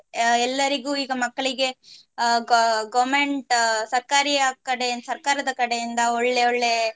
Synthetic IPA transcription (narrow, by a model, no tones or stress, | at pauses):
ɛlːɐɾiɡuːiːɡɐmɐkːɐɭiɡe̞ | ɡɡɐʋmeɳʈsɐɾkaːɾiaːkɐɽensɐɾkaːɾɐd̪ɐkɐɽejind̪ɐɔɭːe̞oɭːe̞